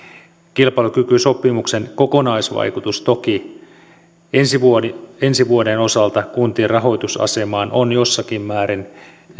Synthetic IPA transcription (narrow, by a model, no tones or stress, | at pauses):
kilpɑlukykyso̞pːimuksenko̞ko̞nɑisʋɑ̰jkut̪ust̪o̞ki | ensiensiʋuodeno̞sɑlt̪ɑkunt̪irɑɦo̞jt̪usɑ̰se̞mɑːnonjo̞sːɑkimːæːɾin